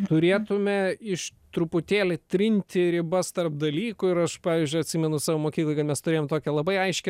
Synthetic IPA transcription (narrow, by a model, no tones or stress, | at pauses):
t̪ʊɾʲeːt̪ʊmʲɛɪʃt̪ɾʊpʊt̪ʲeːlʲɪt̪ʲɾʲɪnʲt̪ʲɪɾʲɪbɐst̪ɐrp̚d̪ɐlʲiːkʊɪɾɐʃpɑːʋʲɪːzʲd͡ʒʲʊɪɐtʲsʲɪːmʲɛnʊsɑːʋoːmoːkʲiklˠoɪkɐt̪mʲɛst̪ʊɾʲeːjoːmt̪oːkʲɛlˠɐbɐɪɐɪʃʲkʲɛ